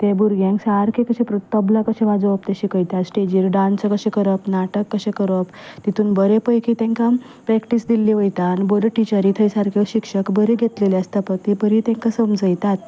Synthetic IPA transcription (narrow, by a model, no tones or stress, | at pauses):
t̪ebuɾɡjẽŋksaɾkʰekəɕẽpɾət̪əblakəɕẽʋad͡zəʋəpt̪eɕikəjt̪at̪sʈed͡ʑiːɾɖansəkəɕẽkəɾəpnaʈəkːəɕekəɾəpt̪it̪ʰuːnbəɾepəjkʰit̪ẽŋka | pɾɛkʈisd̪ilːiʋəjt̪aːnibəɾəʈit͡ɕaɾiːt̪ʰəjsaɾkʰeɕikʂəkbəɾeɡʱet̪leleəst̪ʰapək̚t̪ibəɾit̪ẽŋkasəmd͡zəjt̪at̪̚